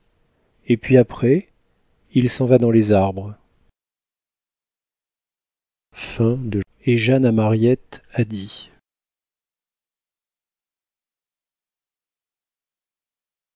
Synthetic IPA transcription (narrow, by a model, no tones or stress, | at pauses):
epɥiapχɛ | ilsɑ̃vad̪ɑ̃lezaʁbʁ | fɛ̃d̪ə | eʒanamaʁjɛt̪ad̪i